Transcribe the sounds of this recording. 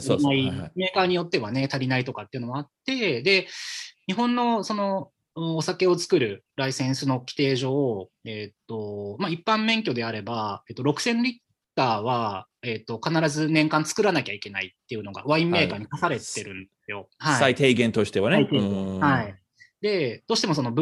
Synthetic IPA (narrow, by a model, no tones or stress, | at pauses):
aime̞ːkaːɲ̟ijo̞t̪ːe̞βane̞t̪aɾʲinait̪o̞kat̪ːeiɯ̟no̞moat̪ːe̞d̪e̞ɲ̟iɦõ̞nːo̞so̞no̞ː | sake̞o̞t͡sɨ̥kɯ̟ɾɯ̟ɾaisẽ̞ɰ̃sɨno̞kʲi̥t̪e̞ːʑo̞ːet̪ːo̞maipːãmːẽ̞ŋkʲo̞d̪e̞aɾe̞bae̞t̪ːo̞ɾo̞kɯ̟̥sẽ̞nɾʲit̪ːaːβae̞t̪ːo̞kanaɾazɨnẽ̞ŋkãnt͡sɨ̥kɯ̟ɾanakʲaike̞nait̪ːe̞jɯ̟no̞ɡa̰βaĩmːe̞ːkaːɲ̟ikasaɾe̞t̪e̞ɾɯ̟̃nd̪esɨjo̞haait̪eiɡẽnt̪o̞ɕi̥t̪e̞βanit̪ehai | d̪e̞d̪̥o̞ːɕi̥t̪e̞mo̞s̬o̞no̞b